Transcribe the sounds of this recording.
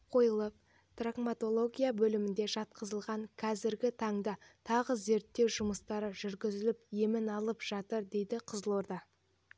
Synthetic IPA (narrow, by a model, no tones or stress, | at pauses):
qʰo̞jəlˠəp̚ | t̪raɡmat̪o̞lˠo̞ɡʲijabɵlɪmɪnd̪e̞ʒɑt̪̚qəzəlˠʁɑŋkʲʰæzɪɾɡʲɪt̪ʰɑɴd̪ɑt̪ʰɑʁəze̞ɾt̪ːe̞wʒʊməst̪ɑɾəʒʏɾɡʲɪzɪlɪpje̞mɪnɑlˠəpʒ̥ɑt̪əɾd̪e̞jd̪ɪqʰəzlˠo̞ɾd̪ɑ